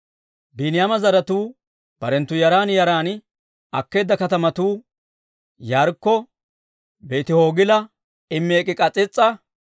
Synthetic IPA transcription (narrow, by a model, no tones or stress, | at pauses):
biːnɪjamɐzɐɾɐt̪uː | b̥ɐɾɛnt̪ːʊjɐɾaːnjɐɾaːn | ɐkːe̞ːd̪ːɐkɐt̪ɐmɐt̪uː | jaːɾkːɔ | be̞ːt̪ɪho̞ːɡɪlɐ | ɪmːeːkʼːɪkʼɐt͡sʼːɪt͡sʼːɐ